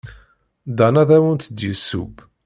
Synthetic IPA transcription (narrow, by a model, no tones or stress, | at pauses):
d̪ɑnæðæwənt̪d̪jəsːṵb